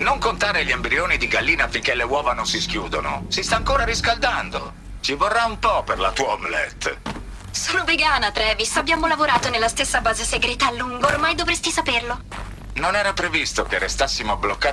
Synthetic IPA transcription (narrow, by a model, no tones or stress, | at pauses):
noŋkont̪aːɾeʎːiambɾioːnid̪iɡalːiːnafːiŋkelːewɔːvanonsiskjuːd̪ono̰sist̪aːŋkoːɾaɾiskald̪and̪o̰ | t͡ʃivorːaumpɔperla̰t̪uːaomlɛ̰t̪ː | sɔːnoveɡaːnat̪ɾɛːvisabːjaːmolavoɾaːt̪onelːast̪esːabaːzeseɡɾɛːt̪aːlːuŋɡoːrmajd̪ovɾest̪isaperlo | nonɛːɾapɾevist̪okerːest̪asːimoablokːa